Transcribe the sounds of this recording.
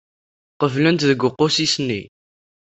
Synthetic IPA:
qəvlænt̪ðəɡʷːʊqːosisnḭ

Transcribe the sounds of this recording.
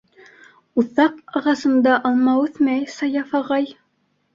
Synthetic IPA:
uθɑqɑʁɑsɤ̆nd̪ɑʔɑlˠmɑʉθmæjsɑjɑfɑʁɑj

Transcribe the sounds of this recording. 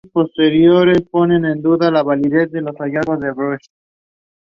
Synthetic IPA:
post̪eɾjoɾesponenend̪uðalaβaliðezd̪elosajaɣozðeβɾoʃ

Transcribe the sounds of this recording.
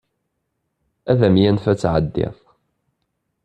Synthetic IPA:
æðæmjænfæt͡sːʕəd̪ːɪ̰θˤ

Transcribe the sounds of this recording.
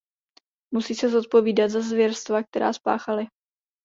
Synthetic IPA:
musiːsɛzot̪̚po̞viːdat̪zazvjɛɾst̪vak̚t̪ɛɾa̰ːspa̰ːxalɪ

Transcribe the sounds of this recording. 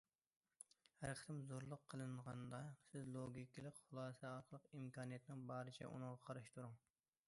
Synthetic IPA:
hæɾqʰə̥t̪ɪmzoɾlˠʊqʰːəlˠɨɴʁɑnd̪ɑsɪzlˠoɡʲikʲilˠɪkʲχʊlˠɑːsɛɑɾqʰəlˠəqimkɑːnijɛt̪ɪnɪŋbɑːɾɨt͡ʃʰɛ̰ʔṵnɨŋʁɑqʰɑɾɨʃt̪uɾʊŋ

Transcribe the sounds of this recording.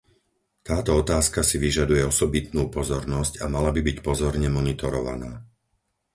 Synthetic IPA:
t̪aːt̪ɔɔt̪aːskasiʋiʒad̪ujɛɔsɔbit̪̚nuːpɔzɔɾnɔscamalabibicpɔzɔɾɲɛmɔnit̪ɔɾɔʋa̰na̰ː

